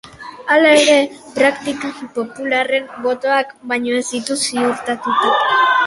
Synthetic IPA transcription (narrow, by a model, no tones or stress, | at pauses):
alae̞ɾe̞pɾakt̪ikapo̞pulare̞mbo̞t̪o̞akbajɲo̞ezd̪it̪usiuɾt̪at̪ut̪ak